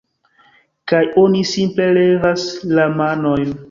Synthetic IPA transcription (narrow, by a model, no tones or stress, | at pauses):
kajonisimple̞le̞vaslamano̞jn